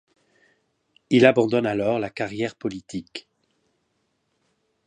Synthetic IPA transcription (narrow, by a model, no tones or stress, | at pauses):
ilabɑ̃d̪ɔnalɔʁlakaʁjɛʁpɔlit̪ʰik